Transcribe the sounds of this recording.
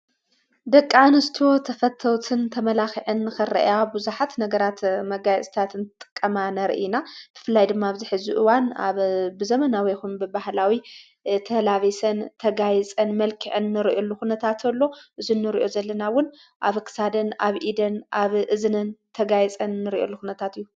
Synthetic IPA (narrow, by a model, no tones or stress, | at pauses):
d̪ɐkʼːanɨst̪ʰo̞t̪ʰɐfɐt̪ʰːɐwt̪ʰɨnt̪ʰɐmɐlaxiʕɨnːɨxɨrɐ̰ʔabuzuħat̪nɐɡɐɾat̪mɐɡajt͡sʼt̪ʰat̪ɨnt̪ɨt̪ʼɨ̥kʼːɐmanɐɾ̰ʔinab̥ɨ̥fɨlːajd̪ɨmːaβzɨħɨzuʔɨwana̰βbɨzɐmɐnawɐjxumbɨbahlawi | t̪ʰɐlaβisɐnt̪ʰɐɡajt͡sʼɐnmɐlkʰɨʕɨnːɨɾiʔolːuxunɐt̪ʰat̪ʰɐlːo̞ʔɨzunːɨɾḭʔo̞zɐlːɐnawʊn | ʔaβkʰɨ̥sad̪ɐna̰βʔid̪ɐnaβʔɨzɨnɨnt̪ʰɐɡajt͡sʼɐnːɨɾiʔo̞̰lːuxunɐt̪ʰat̪ɨjːu